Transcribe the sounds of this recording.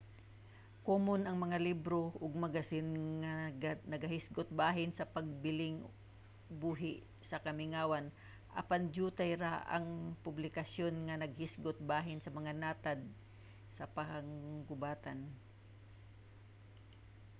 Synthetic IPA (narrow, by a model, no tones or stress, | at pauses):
komonɐŋmɐŋalibɾoʔʊɡ̚mɐɡasɪnŋanɐɡɐhɪsɡʊt̪̚baːɦɪnsɐpɐɡ̚bɪlɪŋ | buːɦɪʔ | sɐkɐmɪŋaːwan | ʔɐ̰pand͡ʒuːt̪ajɾaʔɐ̰ŋpʊblɪkɐsjonŋɐnɐɡ̚hɪsɡʊt̪̚baːɦɪnsɐmɐŋanaːt̪ad̪̚ | sɐpɐhaŋɡʊbaːt̪an